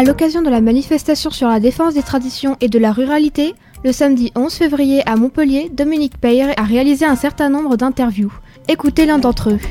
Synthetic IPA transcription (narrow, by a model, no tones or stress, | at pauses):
alɔkazjɔ̃d̪əlamanifɛst̪asjɔ̃syʁlad̪efɑ̃sd̪et̪χad̪isjɔ̃ʔed̪əlaʁyʁalit̪e | ləsamd̪iʔɔ̃zfevʁijeʔamɔ̃pəljed̪ɔminik̚pɛjʁaʁealizeɛ̃sɛʁt̪ɛ̃nɔ̃bʁəd̪ɛ̃t̪ɛʁvju | ekut̪elɛ̃d̪ɑ̃t̪χə